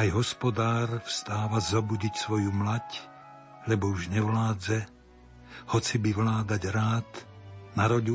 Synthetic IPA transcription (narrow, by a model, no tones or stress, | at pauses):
ajɦɔspɔd̪aːɾfst̪aːʋazɔbuɟicsʋɔjumlac | lɛbɔuʒɲɛʋlaːd͡zɛ | hɔt͡sibiʋlaːd̪aɟɾaːt̪naɾɔɟu